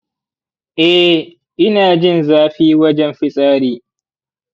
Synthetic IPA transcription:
ʔɛ˦ | ʔɪ˦naː˨d͡ʒɪ˦˨nzaː˦ɸiː˦wɐ˦d͡ʒɛ˦mɸɪ˦sʼaː˦ɾiː˦

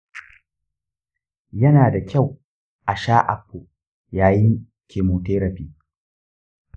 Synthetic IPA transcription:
jɐ˦naː˨da˨kʲa˦˨w | ʔa˨ʃaː˦ʔa̰˨ɸːo˨ | jaː˨jɪ˦ŋ | kʲʰeː˨moː˨teː˦ɾɐ˨ɸiː˦

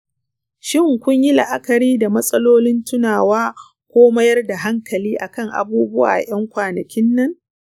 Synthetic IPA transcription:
ʃɪ˦˨ŋkʷʊ˦ɲji˦lɐ̰˦ʔa˦kɐ˨ɾiː˦da˨mɐ˦sʼɐ˦loː˦lɪ˦ntʊ˦naː˨waː˦ | kʷoː˦mɐ˦jɐ˦rda˨ɦa˦ŋkʰɐ˨liː˦ʔa˨kɐ˦˨ŋʔa̰˨buː˦bʊ˦wa̰ː˨j̰ɐ˦ŋkʷaː˨nɐ˨kʲɪ˦nːɐ˦ŋ

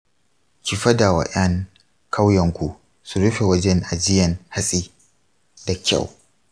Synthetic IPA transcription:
kʲi˨ɸɐ˦da˨wa̰˨ʔɐ˦ŋ | kʰa˦wjɐ˨ŋkʷu˨ʔ | su˨ɽʊ˦ɸe˨wɐ˦d͡ʒɛ˦ŋʔa˨d͡ʒɪ˦jɐ˨ŋha˦sʼiː˦ | da˨kʲa̰˦˨w

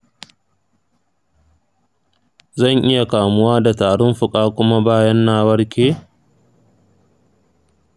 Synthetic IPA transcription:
zɐ˦˨ŋʔɪ˦ja˨kaː˨mʊ˦waː˦da˨taː˨ɽʊ˦mɸʊ˨kʼaː˦kʷʊ˦ma˦baː˦jɐ˦nːaː˦wɐ˦ɽkʲʰeː˦

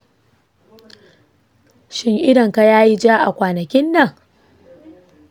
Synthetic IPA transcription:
ʃɪ˦ŋʔɪ˦ɽɐ˨ŋka˨jaː˦ji˦d͡ʒaː˦ʔa̰˨kʷaː˨nɐ˨kʲɪ˦nːɐ˨ŋ

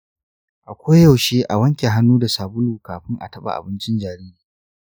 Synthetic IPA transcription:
ʔa˨kʷo˦jjɐ˨wʃeː˦ʔa˨wɐ˦ŋkʲe˨ɦa˦nːuː˦da˨saː˨bʊ˦luː˨kaː˨ɸɪ˦ŋʔa̰˨tɐ˦ɓa̰˦˨ʔa̰˨bɪ˦nt͡ʃɪ˦nd͡ʒaː˨ɾiː˦ɾiː˨

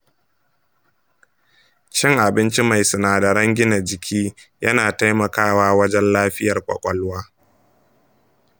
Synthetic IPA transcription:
t͡ʃɪ˦ŋʔa˨bɪ˦nt͡ʃi˦ma˨jsʊ˨naː˨dɐ˨ɾɐ˦ŋɡʲɪ˦na˨d͡ʒɪ˨kʲʰiː˦jɐ˦naː˨ta˦jmɐ˨kaː˦waː˦wɐ˦d͡ʒɛ˦nlaː˦ɸɪ˦jɐ˨rkʷʼɔ̰˨kʷʼɔ˦lwaː˦

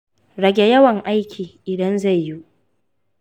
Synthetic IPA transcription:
ɾɐ˨ɡʲɛ˨jɐ˦wɐ˨ŋʔa˦jkʲʰiː˨ʔɪ˨dɐ˦nza˦˨jːu˦ʔ

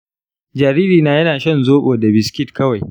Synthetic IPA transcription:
d͡ʒaː˨ɾiː˦ɾiː˨naː˨jɐ˦naː˨ʃɐ˦˨nzoː˦ɓoː˨da˨bɪ˨skʲɪ˦tkɐ˦wa˨j

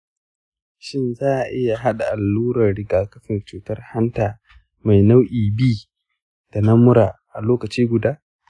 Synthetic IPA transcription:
ʃɪ˦nzaː˦ʔʔɪ˦ja˨ɦa˦ɗa˨ʔa˨lːuː˦ɾɐ˨rɽɪ˦ɡaː˨kɐ˦ɸɪ˨nt͡ʃuː˨tɐ˦rha˦ntaː˨ | ma˨jna˦wʔiː˨biː˦ | d̥a˨nɐ˦mʊ˦ɾaː˨ʔa˨loː˦kɐ˨t͡ʃiː˦ɡʷʊ˨daː˦

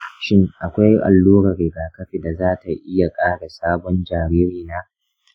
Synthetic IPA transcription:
ʃɪ˦ŋʔa˨kʷa˦jʔa̰˨lːuː˦ɽɐ˨ɾɪ˨ɡaː˨kɐ˦ɸi˨da˨zaː˦ta˨ʔɪ˦ja˨kʼaː˦ɽa˨saː˦bɔ˦nd͡ʒaː˨ɾiː˦ɾiː˨naː˦

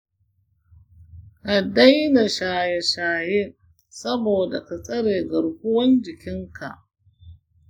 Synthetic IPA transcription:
ʔa˨da˦jna˨ʃaː˨ja˨ʃaː˨je˦ | sɐ˦boː˨da̰˨kɐ˨sʼɐ˦ɽeː˨ɡɐ˨ɽkʷʊ˦wɐ˦nd͡ʒɪ˨kʲɪ˦ŋkʰa̰˨ʔ

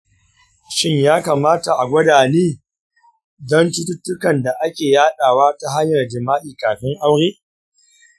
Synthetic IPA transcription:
ʃɪ˦ɲjaː˦kaː˨maː˦ta˨ʔa˨ɡʷɐ˦daː˨neː˦ | zɔ˦ntʊ˦tʊ˦tːʊ˦kɐ˨nda˨ʔa˦kʲeː˨jaː˦ɗaː˨waː˦ta˨ɦa˦ɲjɐ˨rd͡ʒɪ˨maː˦ʔiː˨kaː˨ɸɪ˦ŋʔa˦wɽeː˦

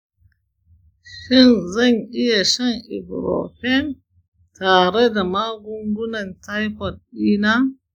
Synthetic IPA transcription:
ʃɪ˦˨nzɐ˦˨ŋʔɪ˦ja˨ʃɐ˦ŋʔɪ̰˨bɾo̰˨ɸɛ˦˨m | taː˨ɽe˦da˨maː˦ɡʷʊ˦ŋɡʷʊ˦nɐ˨nta˦jɸɔ˨tɗiː˦naː˦

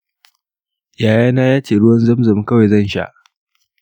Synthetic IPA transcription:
jaː˨jaː˦naː˦jaː˦t͡ʃeː˨ɽʊ˦wɐ˦nzɐ˦mzɐ˨m˦kɐ˦wa˨zɐ˦˨nʃa̰˦ʔ

